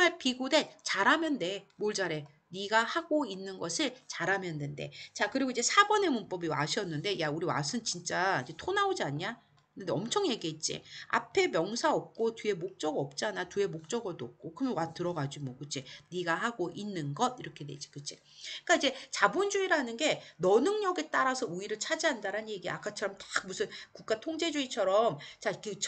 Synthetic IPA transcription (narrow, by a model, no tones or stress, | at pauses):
aɭpiɡude̞nt͡ɕaɾamjʌnde̞moɭd͡ʑaɾe̞ | niɡahaɡoinːɯnɡʌsʰɯɭt͡ɕaɾamjʌndende̞̰t͡ɕakɯɾiɡoid͡ʑe̞sʰaɡwʌne̞munp͈ʌbiwa̰ɕʰiʌnːɯnde̞jauɾiwa̰sʰɯnt͡ɕint͡ɕ͈aid͡ʑe̞tʰonaod͡ʑiaɲa | nendeʌmt͡ɕʰʌŋje̞ɡiɦet̚t͡ɕ͈ḭa̰pʰe̞mjʌŋsʰaʌp̚k͈otɥie̞mok̚t͡ɕ͈ʌɡɯʌp̚t͡ɕ͈anatue̞mok̚t͡ɕ͈ʌɡɯɭdop̚k͈okɯmʌnwatɯɾʌɡad͡ʑimwʌkɯt͡ɕ͈ʰeniɡaɦaɡoʔinːɯnɡʌd̚iɾʌkʰe̞de̞d͡ʑi̥kɯt͡ɕʰe | ik͈aid͡ʑe̞t͡ɕabond͡ʑuiɾanɯnɡe̞nʌnɯŋɲʌɡet͈aɾasʰʌuiɾɯɭt͡ɕʰad͡ʑiɦandaɾannje̞ɡiak͈at͡ɕʰʌɾʌmtḁk̚musʰɯnkuk͈atʰoŋd͡ʑe̞d͡ʑuit͡ɕʰʌɾʌmt͡ɕakɯ